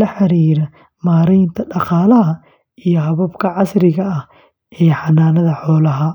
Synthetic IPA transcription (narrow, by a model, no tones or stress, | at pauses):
lɐħɑɾiːɾɐ | maːɾɛjnt̪ʰɐɖɑqɑːlɐɦɐ | ijɔɦɐβɐbkʰɐʕɑsɾɪɣɐːh | ʔɛːħɑnaːnɐðɐħɔːlɐɦɐ